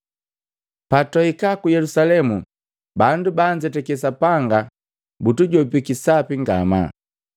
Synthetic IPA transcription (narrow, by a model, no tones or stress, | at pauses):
patɔikakujɛlusalɛmu | bandubaɲd͡ʒɛtɛkɛs̬apaŋɡa | butuɟɔpikisapiŋɡa̰ma̰